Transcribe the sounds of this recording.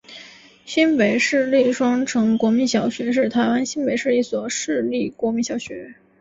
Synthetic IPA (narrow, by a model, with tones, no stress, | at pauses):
ɕi˥npe˨˩ɪʂɻ̩˥˧li˥˩ʂwɑ˥ŋʈ͡ʂʰɤ˧˥ŋkwɔ˧˥mi˧˥nɕjɑ˨˩ʊɕɥɛ˧˥ʂ̬ɻ̩˥˩t̪ʰa˧˥ɪwa˥nɕi˥npe˨˩ɪʂɻ̩˥˧i˥˩swɔ˨˩ʂɻ̩˥˧li˥˩kwɔ˧˥mi˧˥nɕjɑ˨˩˥ʊɕɥɛ˧˥